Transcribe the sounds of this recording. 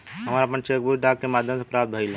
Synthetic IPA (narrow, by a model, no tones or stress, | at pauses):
ɦɐmaːɾapənt͡ʃeːk̚bʱud͡ʒɖaːkːemaːd̪ʱjə̃ms̬epɾaːd̪̚bʱəilõ